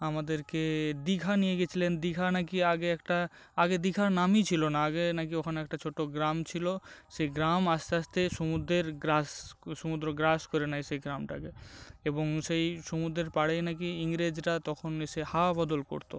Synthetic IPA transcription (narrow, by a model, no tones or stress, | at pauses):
amad̪eɾked̪ikʰanijeɡet͡ɕʰilend̪ikʰanakiaɡeɛkʈa | aɡed̪ikʰaɾnamit͡ɕʰilonaaɡenakiɔkʰanɛk̚ʈat͡ɕʰoʈoɡɾamt͡ɕʰiloʃejɡɾamast̪east̪eʃomud̪ɾeɾɡɾasʃomud̪ɾoɡɾaskoɾenajʃejɡɾamʈa̰keeboŋʃejʃomud̪ɾeɾpaɽenak̬iiŋɾed͡ʑɾat̪ɔkʰoneʃehabɔd̪olko̰ɾt̪o̰